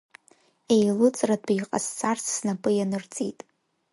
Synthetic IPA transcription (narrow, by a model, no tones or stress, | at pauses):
e̞jlut͡sʼradʷajqʼa̰st͡sʰart͡sʰːnapʼɨjanɨrt͡sʼitʼ